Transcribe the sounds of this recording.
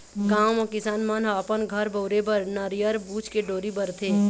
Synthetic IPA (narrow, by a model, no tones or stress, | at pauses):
ɡaːmɔkɪsaːnmanaːpənɡʱɐɾbɐʊɾebəɾnɐɾjəɾbuːt͡ʃkeɖoːɾibəɾt̪ʰeː